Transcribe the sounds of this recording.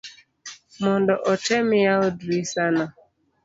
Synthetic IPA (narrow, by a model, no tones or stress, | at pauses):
mʊndɔʔɔt͡ʃemjaoduisanɔ